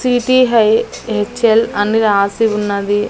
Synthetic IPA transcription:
siːʈiːɦɐjɦet͡ʃːelɐnːiɾaːsiʋunːɐd̪i

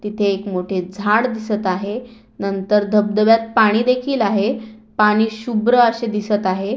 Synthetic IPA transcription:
t̪it̪ʰeːkmoʈʰed͡zʱaɽd̪isət̪aɦe | nənt̪əɾd̪ʱəb̚d̪əʋjat̪̚paɽ̃iːd̪ekʰiːlaɦepaɽ̃iːɕubɾəəɕed̪isət̪aɦe

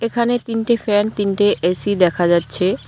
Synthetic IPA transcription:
ekʰanet̪inʈefɛnt̪inʈeʔesid̪ɛkʰad͡ʑatːɕʰe

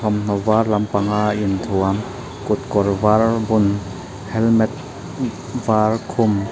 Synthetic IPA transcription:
ɔmn̥ɔvarlɐmpaŋaint̪ʰuam | kut̪̚kɔɾvaɾbun | hɛlmɛt̪̚ | vaɾkʰum

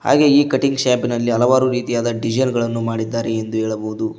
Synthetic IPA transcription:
ha̰ːɡe̞iːkɐʈiŋɡʃaːbinɐlːiɐlɐʋaːɾuɾiːt̪ijaːd̪ɐɖid͡ʒɐnɡɐɭɐnːumaːɽid̪ːaːɾeːnd̪uɦeːɭɐboʋud̪u

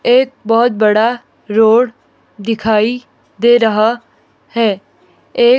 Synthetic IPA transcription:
eːk̚bɔːʊt̪̚bɐɽa | ɾoːɽ | d̪ɪkʰaːi | d̪eːɾɐɦa | hɛː | eː

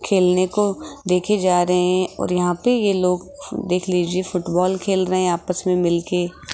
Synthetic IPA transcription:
kʰeːlnekod̪eːkʰed͡ʒaːɾɐɦeɛ̃ɔ̰ːɾjɐɦãpejeloːɡ | d̪eːkʰliːd͡ʒiefʊʈbɔːlkʰeːlɾɐɦɛ̃aːpəsmẽmɪlke

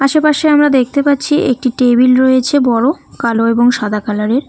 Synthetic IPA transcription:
aʃepaʃeamɾad̪ek̚ʰt̪epatːɕʰiʔek̚ʈiʈebilɾojet͡ɕʰebɔɾokaloeboŋʃad̪ʱakalaɾeɾ

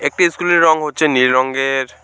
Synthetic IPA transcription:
ek̚ʈiskuleɾːɔŋɦotːʰeniɾɾɔŋɡeɾ

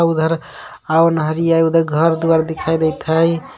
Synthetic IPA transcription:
ud̪ʱəɾ | awnəɦəɾijajud̪ʱəɾɡʱəɾd̪uaɾd̪ekʰajd̪ɛjt̪ʰəj

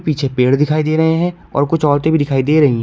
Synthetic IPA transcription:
piːt͡ʃʰepeːɽd̪ɪkʰaːid̪eːɾɐɦeɦɛ̃ | ɔ̰ːɾkʊt͡ʃʰɔːɾt̪ebʱid̪ɪkʰaːid̪eːɾɐɦiɦɛ̃

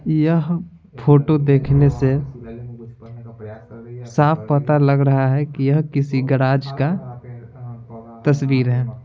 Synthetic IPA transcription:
jəɦ | pʰoːʈod̪eːkʰnese | saːpʰpət̪alɐɡɾɐɦaɦɛkijɐɦkɪsiɡəɽaːd͡ʒka | t̪əswiːɾɦɛː

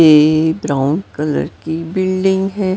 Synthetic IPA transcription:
ebɾaːʊnkɐlə̰ɾkibɪlɖɪ̃ŋɡɦɛː

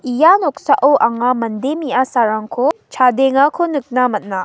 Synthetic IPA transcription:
ijanok̚saʔɯwʔaŋamɐndemiasaɾaŋkʰot͡ʃʰadeŋakʰonɯk̚namɐt̚na

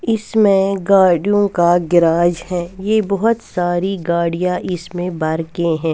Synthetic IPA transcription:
ɪsmẽɡaːɾɖijõkaɡɪɾaːd͡ʒhɛːjebɔɦʊt̪saːɾiɡaːɽijãʔɪsmẽbɐɾkẽɦɛ̃ː

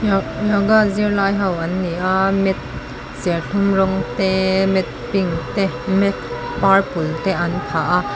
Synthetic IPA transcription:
jɔɡaziəɹlaːjɦɐwʔɐnːiʔamɛt̪̚ | sɛrɬʰʊmrɔŋt̪ɛmɛt̪̚piŋt̪ɛmɛt̪̚ | parpult̪ɛʔɐnpʰaʔa

